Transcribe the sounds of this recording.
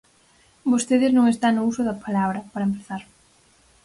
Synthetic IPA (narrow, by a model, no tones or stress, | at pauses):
bost̪eðɪznõŋest̪aŋnʊusʊðɐpʰalaβɾɐpaɾɐempeθaɾ